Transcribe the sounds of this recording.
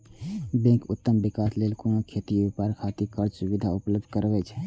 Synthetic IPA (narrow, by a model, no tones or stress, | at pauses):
bẽkut̪ːəmbikaslelkonokʰet̪iobepaɾkʰat̪ikəɾsubid̪ʱaupləb̚d̪ʱkəɾbɛt͡ʃʰ